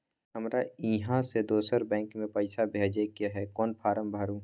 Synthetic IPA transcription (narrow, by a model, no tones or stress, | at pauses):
ɦəmɾaiɦãsed̪oːsəɾbɛ̃ːŋkmẽpɐɪsabʱeːd͡ʒekjaɦɛkɔːnpʰaːɾəmbʱaɾũː